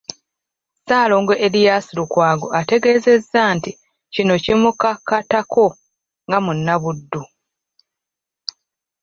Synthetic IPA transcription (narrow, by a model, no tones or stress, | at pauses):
saːlo̞ːŋɡeʔelijaːsiɾukwaːɡo̞̰ate̞ɡe̞ːze̞zːanti | cino̞cimukakːatakʰo̞ | ŋɡamunːaβudːu